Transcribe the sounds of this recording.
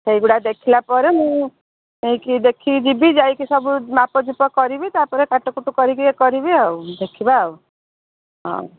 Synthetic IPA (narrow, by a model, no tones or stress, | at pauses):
sejɡuɽad̪ekʰilapɔɾemũ | eikid̪ekʰid͡ʒibid͡ʒajkisɔbumapɔd͡ʒupɔkɔɾibit̪apɔɾekaʈɔkuʈukɔɾikikɔɾibiɦɔwd̪ekʰibaw | ɦɔ̰̃